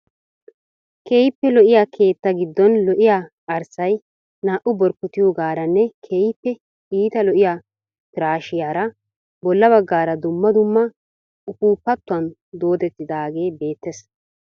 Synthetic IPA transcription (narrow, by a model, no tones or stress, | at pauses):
keːjɪpːɛlɔʔɪjaːkʰe̞ːt̪ːɐɡɪd̪ːɔnlɔʔɪjaː | ɐɾsɐj | naːʔʊbɔɾkːɔt̪ɪjoɡaːɾɐnːɛkʰeːjɪpːɛ | iːt̪ɐlɔʔɪjaː | pɪɾaːʃɪjaːɾɐ | bɔlːɐbɐɡːaːɾɐd̪ʊmːɐd̪ʊmːɐ | ʊkuːpːɐt̪ːʊɐn | d̪o̞ːd̪ɛt̪ːɪd̪aːɡe̞ːbe̞ːt̪ːes